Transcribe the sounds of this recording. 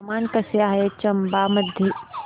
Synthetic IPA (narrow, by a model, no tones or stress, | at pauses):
maːnkɐsjaɦet͡ʃɐmbamɐd̪ʱjə